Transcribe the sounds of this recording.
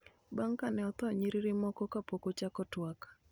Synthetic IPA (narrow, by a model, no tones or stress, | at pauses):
baŋkanɛɔt̪ɔɲiɾiɾɪmɔkɔkapokot͡ʃakɔtwak